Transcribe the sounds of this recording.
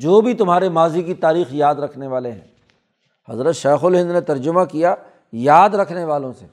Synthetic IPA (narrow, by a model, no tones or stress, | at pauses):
d͡ʒoːbʱit̪ʊmɦaːɾemaːzikit̪aːɾiːxjaːd̪ɾɐkʰneʋaːleɦɛ̰̃ː | hɐ̰zɾət̪ʃeːxʊlɦɪ̃nd̪net̪ɐɾd͡ʒʊmakija | jaːd̪ɾɐkʰneʋaːlõsḛː